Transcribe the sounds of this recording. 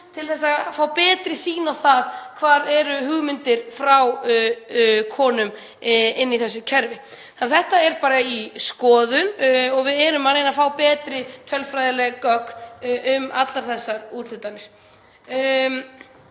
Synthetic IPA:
t̪ʰɪlθɛsːafaːwpɛːt̪ɾɪsiːnawθaðkʰvaːɾɛɾʏhʏɣmɪnt̪ɪɾ̥fɾaw | kʰɔːnʏm | ɪnːiθɛsːʏcʰɛɾvɪ | anθɛht̪aɛɾpaːɾaiskɔːðʏnɔɣvɪðɛɾʏmaejnafaːwpɛːt̪ɾɪt̪ʰœlfɾajðɪlɛɣakœk̪ʏmat̪laɾ̥θɛsːaɾuɾl̥ʏt̪ːanːɪɾ̥

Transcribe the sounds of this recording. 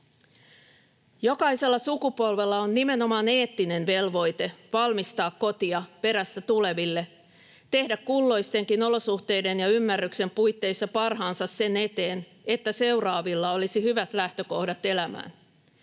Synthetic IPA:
jo̞kɑise̞lːɑsukupo̞lʋelːɑonːime̞no̞mɑːne̞ːt̪ːine̞nʋe̞lʋo̞jt̪e̞ʋɑlmist̪ɑːkko̞t̪iɑpe̞ɾæsːæt̪ule̞ʋilːe̞ | t̪e̞hdækkːulːo̞jst̪e̞ŋkino̞lo̞suht̪e̞jde̞njɑymːærːykse̞mpujt̪ːe̞isːɑpɑrɦɑːnsɑsse̞ne̞t̪e̞ːn | e̞t̪ːæse̞urɑːʋilːɑo̞lisihyʋæt̪læht̪ø̞ko̞hdɑt̪e̞læmæ̰ːn

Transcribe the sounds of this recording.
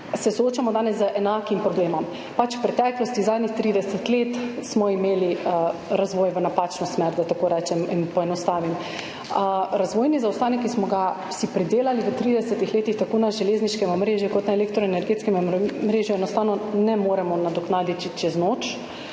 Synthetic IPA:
sɛsooːt͡ʃamɔd̪aːnɛzːəʔɛnaːkimpɾɔbleːmɔm | pat͡ʃwpɾɛt̪ɛːklɔst̪izaːd̪nixt̪ɾiːd̪ɛsɛt̪leːt̪smɔimeːliɾazʋoːjʋənapaːt͡ʃnɔsmɛɾd̪at̪akoːɾɛːt͡ʃɛminpɔɛnɔst̪aːʋim | ɾazʋoːjnizawst̪aːnɛkːismɔɡa | sipɾid̪eːlaliʋət̪ɾiːd̪ɛsɛt̪ixleːt̪ixt̪akoːnaʒɛleːzniʃkɛmɔmɾeːʒjukɔt̪naeleːkt̪ɾɔɛnɛɾɡeːt̪skɛmmɾeːʒjuɛnɔst̪aːwnɔnɛmoɾɛmɔnad̪ɔknaːd̪it̪it͡ʃɛznoːt͡ʃ

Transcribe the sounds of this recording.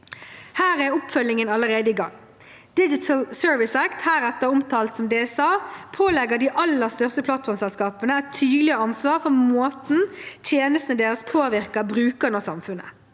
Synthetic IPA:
hæːʁæɾʊpfœlːɪŋənɑləʁeːd̪əiːɡɑ̰ŋː | d̪̥ɪd͡ʒɪt̪ʰəlsøːɹʋɪsækt̪hæːɾɛt̪əɾʊmt̪ʰɑːlt̪sɔmd̪eːɛsɑːpʰoːlɛɡəd̪iːʔɑlːəʁst̪œʁst̪əpʰlɑt̪fɔʁmsɛlskɑːpənəɛt̪ʰːyːd̪lɪəɑnsʋɑːʁfɔmoːt̪n̩t̪ʰjeːnəst̪nəd̪eːʁəspʰoːʋɪʁkəbʁʉːkənɔsɑ̰mfʉnə̰

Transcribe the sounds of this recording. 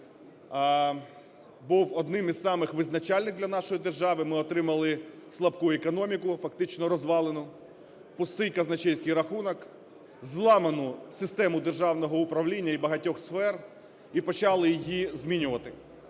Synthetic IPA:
buwɔd̪nɪmizɑmɪxʋɪznɐt͡ʃɑlʲnɪɣd̪lʲɐnɑʃɔjid̪erʒɑʋɪmɪɔt̪ɾɪmɐlˠɪslˠɐbkuɛkɔnɔmʲikʊfɐkt̪ɪt͡ʃnɔɾɔzʋɑlˠenʊ | pʊst̪ɪjkɐznɐt͡ʃɛjʲsʲkɪjɾɐxunɔk | zlˠɑmenʊsɪst̪ɛmʊd̪erʒɑwnɔɦɔʊpɾɐʋlʲinʲːɐibɐɦɐtʲɔxsfɛr | ipɔt͡ʃɑlˠɪjijizmʲinʲʊʋɐt̪ɪ

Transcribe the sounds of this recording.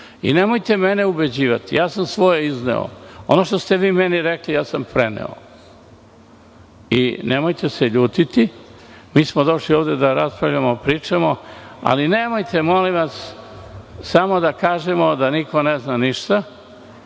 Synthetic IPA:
ḭne̞mojt̪e̞meneube̞d͡ʑiːʋat̪ḭjʔaːsamsʋo̞jeiznḛo̰onoʃt̪ost̪eʋiːmeniɾeklijaːsampɾenḛo̰ | ḭnemojt̪e̞seʎuːt̪it̪i | miːsmod̪o̞ʃlioːʋd̪e̞d̪aɾaspɾaʋʎamopɾiːt͡ʃemoa̰linemojt̪ʰe̞mo̞liʋas | samo̞d̪akaːʒemo̞d̪aniko̞neznaniʃt̪a

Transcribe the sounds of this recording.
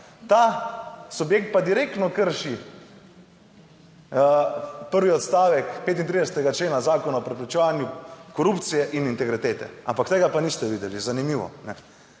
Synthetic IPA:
t̪asubjekt̪̚pad̪iɾeːkt̪nɔkəɾʃi | pəɾʋiɔt̪st̪aːʋɛkpeːt̪int̪ɾid̪ɛsɛ̥t̪ɛɡat͡ʃleːnazaːkɔnaɔpɾɛpɾɛt͡ʃɛʋaːnjukɔɾupt̪sijɛʔinint̪ɛɡɾit̪eːt̪ɛ̰a̰mpakt̪eːɡapanist̪ɛʋiːd̪ɛlizanimiʋɔ̰nɛ

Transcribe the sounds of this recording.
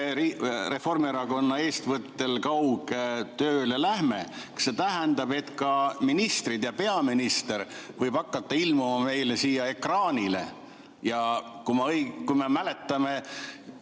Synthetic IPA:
ire̞fo̞rmieɾɑko̞nːɑe̞ːst̪vɤt̪ːe̞lkɑwɡt̪øːlelæhme | kse̞t̪æɦɛnd̪ɑb̥e̞t̪kɑminist̪rid̪jɑpe̞ɑminist̪e̞ɾvɤjb̥ɑkːɑt̪ːɑilmumɑme̞jlesiːjɑe̞krɑːnʲilḛ | jɑkumɑjkujmemæle̞t̪ːˑɑme̞

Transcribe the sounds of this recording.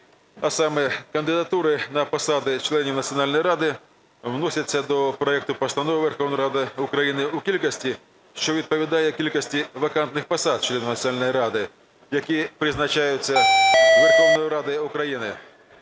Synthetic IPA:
ɐsɑmɛkɐnd̪ɪd̪ɐt̪uɾɪnɐpɐsɑd̪ɪt͡ʃlˠɛnʲiwnɐt͡sʲiɔnɑlʲnɔjɾɑd̪ɪ | wnɔsʲɐt͡sʲːɐd̪ɔpɾɔɛk̚t̪ʊpɐst̪ɐnɔʋɪʋerxɔwnɔjɾɑd̪ɪʊkɾɐjinɪukʲilʲkɔsʲtʲi | ʃt͡ʃɔʋʲid̪̚pɔʋʲid̪ɑjɛkʲilʲkɔsʲtʲiʋɐkɑnt̪nɪxpɐsɑd̪̚t͡ʃlˠɛnʲiwnɐt͡sʲsʲnɑlʲnɔjɾɑd̪ɪ | jɐkʲipɾɪznɐt͡ʃɑjʊt͡sʲːɐʋʲerxɔwnɔjʊɾɑd̪ɪʊkɾɐjinɪ

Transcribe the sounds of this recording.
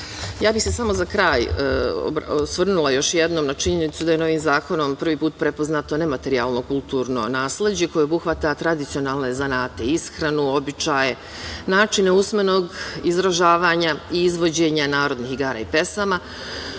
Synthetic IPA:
jaːbixse̞samo̞zakɾaːjo̰bsʋr̩nulˠajo̞ʃjed̪nomnat͡ʃiɲe̞nit̪sud̪aje̞no̞ʋiːmzaːko̞no̞mpr̩ʋiːpuːt̪̚pɾe̞po̞znaːt̪o̞ne̞mat̪e̞ɾia̰ːlˠno̞kulˠt̪uːɾno̞̰naːsle̞d͡ʑe̞ko̞jeobuxʋat̪at̪ɾad̪it̪sio̞naːlne̞zanaːt̪e̞isxɾanuo̞bit͡ʃaje̞ | naːt͡ʃine̞usme̞no̞ːɡizɾaʒaːʋaːɲaiːzʋo̞d͡ʑe̞ɲanaːɾo̞d̪nixiɡaːɾa̰ipe̞sama

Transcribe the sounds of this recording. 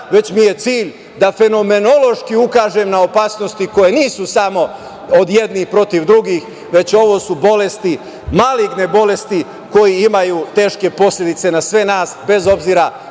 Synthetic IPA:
ʋe̞t͡ɕmije̞t̪siːʎ | d̪afe̞no̞me̞no̞lo̞ʃkiukaːʒemnaopaːsno̞st̪iko̞je̞niːsusamo̞ | od̪je̞d̪nixpɾo̞t̪iʋd̪ɾuɡix | ʋe̞t͡ɕo̞ʋo̞subo̞le̞st̪i | maliɡne̞bo̞le̞st̪i | ko̞jiimajut̪e̞ːʃke̞po̞sʎʲed̪it̪se̞nasʋe̞naːsbe̞zo̞bziːɾa

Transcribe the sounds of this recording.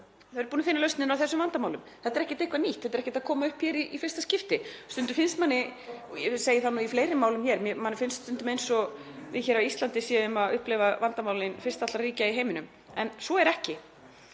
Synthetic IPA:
θaðɛɾpuːnafɪnalœɥstnɪnawθɛsːʏmvant̪amaːwlʏmθɛt̪aɾɛhcɪt̪ejhkvaniht̪θɛt̪ɛɾɛhcɪt̪akʰɔːmaʏhpçɛːɾiʔifɪr̥st̪ascɪft̪ɪst̪ʏnt̪ʏ̥ɾ̥fɪnst̪manːɪjɛseːjɪθanːuːifleːjɾɪmːaːwlʏmçɛːɾmjɛmanːɪfɪnst̪st̪ʏnt̪ʏmejnsɔ | vɪðçɛːɾawist̪lant̪ɪsɛʏmaðʏhplɛvavant̪amaːwlɪnfɪr̥t̪at̪aɾriːcaiɦejmɪnʏm | ɛnsɔɛɾɛhcɪ

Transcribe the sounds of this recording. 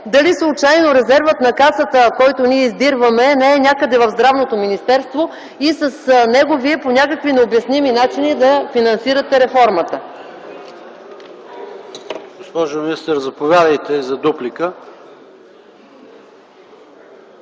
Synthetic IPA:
d̪ɐlislˠut͡ʃajnoɾɛzɛɾvət̪nɐkasət̪əkɔjt̪oniɛizd̪iɾvəmɛnɛːnʲakəd̪ɛvɐvzd̪ɾavnot̪ominist̪ɛɾst̪vo | isɐsnɛɡoviɛponʲakəkvinɛobjɐsniminat͡ʃinid̪ɐfinɐnsiɾət̪ɛɾɛfɔɾmət̪ə | ɡospɔʒominist̪əɾzɐpovʲjad̪əjt̪ɛzɐd̪uplikə

